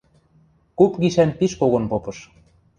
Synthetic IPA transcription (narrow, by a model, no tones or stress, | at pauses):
kupɣiʃænpiʃkoɣŏnpopɤ̆ʃ